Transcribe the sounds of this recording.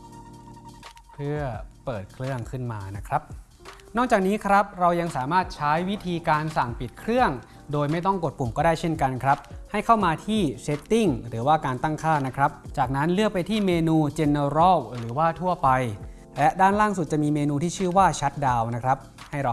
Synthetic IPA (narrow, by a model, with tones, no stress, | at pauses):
pʰɯ˥˩ɐpɤː˨˩t̪̚kʰɾɯ˥˩əŋkʰɯ˥˩nmaː˧na˦˥kʰɾa˦˥p̚ | nɔː˥˩k̚t͡ɕaː˨˩k̚niː˦˥kʰɾa˦˥p̚ɾa˧wja˧ŋsaː˩˦maː˥˩t̪̚t͡ɕʰa˦˥jwi˦˥t̪ʰiː˧kaː˧nsa˨˩ŋpi˨˩t̪̚kʰɾɯ˥˩əŋ | doː˧jma˥˩jt̪ɔ˥˩ŋko˨˩t̪̚pu˨˩mkɔː˥˩daː˥˩jt͡ɕʰe˥˩nka˧nkʰɾa˦˥p̚ha˥˩jkʰa˥˩wmaː˧t̪ʰiː˥˩se˦˥t̪ːi˥˩ŋɾɯː˩˦waː˥˩kaː˧nt̪a˥˩ŋkʰaː˥˩na˦˥kʰɾa˦˥p̚t͡ɕaː˨˩k̚na˦˥nlɯ˥˩ək̚pa˧jt̪ʰiː˥˩meː˧nuː˧t͡ɕe˧nːe˧ɾɔ˦˥˩wɾɯː˩˦waː˥˩t̪ʰu˥˩ɐpa˧j | lɛ˦˥ʔdaː˥˩nlaː˥˩ŋsu˨˩t̪̚t͡ɕa˨˩miː˧meː˧nuː˧t̪ʰiː˥˩ɯː˥˩waː˥˩t͡ɕʰa˦˥t̪̚daː˧wna˦˥kʰɾa˦˥p̚ | ha˥˩jɾa˧